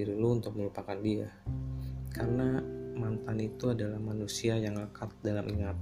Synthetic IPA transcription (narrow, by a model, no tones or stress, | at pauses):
iɾiluunt̪ʊk̚məɾupakandia | karənamant̪anit̪uadalahmanusiajaŋləkat̪̚dalamiŋap